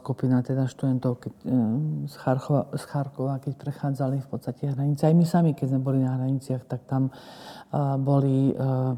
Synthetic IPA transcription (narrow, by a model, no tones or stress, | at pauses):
skupinat̪ɛd̪aʃt̪ud̪ɛnt̪ɔʊkɛ | sxaɾɔsxaɾkɔʋaːkɛc̚pɾɛxaːd͡zalifpɔt̪st̪acɛɦɾaɲit͡sɛajmisamikɛɟzmɛbɔlinaɦɾaɲit͡sɪaxt̪ak̚t̪am | bɔli